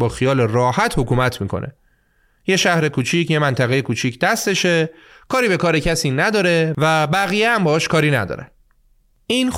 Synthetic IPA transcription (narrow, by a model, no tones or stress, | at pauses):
bɒːxijɒːle̞rɒːhæt̪ʰhokuːmæt̪ʰmiːkʰo̞̰nʔḛ | je̞ʃæhɾe̞kʰuːt͡ʃʰicʰje̞mænt̪ʰæɣeje̞kʰuːt͡ʃʰicʰd̪æst̪e̞ʃekʰɒːɾiːbe̞kʰɒːɾe̞cʰæsiːnæd̪ɒːɾe̞væbæɣijeæmbɒːɒːʃkʰɒːɾiːnæd̪ɒ̰ːɾḛ | iːn